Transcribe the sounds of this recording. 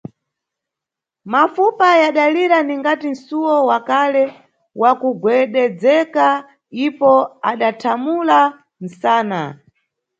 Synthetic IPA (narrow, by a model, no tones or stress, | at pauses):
mafupajaɗaliɾaniŋɡatin̩suwɔwakalɛ | wʔakuɡwɛɗɛd͡zɛka | ipɔaɗatʰamula | n̩saːna